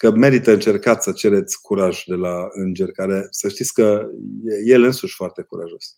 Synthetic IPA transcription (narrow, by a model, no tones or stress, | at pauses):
kəme̞ɾit̪əɨnt͡ʃe̞rkat̪sʲsət͡ʃe̞ɾe̞t̪sʲkuɾaʒd̪e̞laɨnd͡ʒe̞rʲkaɾe̞səʃt̪it̪sʲkəjeje̞lɨnsuʃʲfoart̪e̞kuɾa̰ʒo̞s